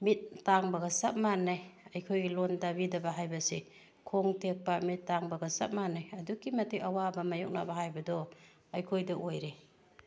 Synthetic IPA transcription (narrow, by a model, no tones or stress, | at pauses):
mit̚ːaŋbɐɡɐsɐp̚manːajɐjkʰojɡilondabidɐbaɦajbɐsi | kʰoŋtek̚pamitːaŋbɐɡɐsɐ̰p̚manːajɐdukimɐtekɐwabɐmɐjɔk̚na̰baɦajbɐdɔ | ɐjkʰojdɐʔojɾe